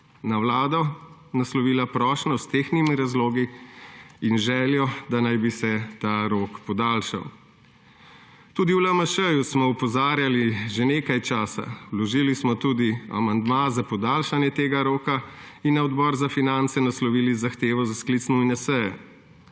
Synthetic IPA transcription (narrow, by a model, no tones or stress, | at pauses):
nawlaːd̪ɔnaslɔʋiːlapɾɔːʃnɔst̪eːxnimiɾazloːɡi | inʒɛːljɔd̪anajbisɛt̪aːɾoːkpɔd̪alʃa̰w | t̪uːd̪iwlaməʃəjusmɔupɔzaːɾjaliʒeneːkajt͡ʃaːsa̰wlɔʒilismɔt̪uːd̪ia̰mand̪mazapɔd̪aːlʃanjɛt̪eːɡaɾoːka | inːaɔd̪bɔɾzafinant̪sɛnaslɔʋiːlizaxt̪eːʋɔzasklit̪snɔinasəjɛ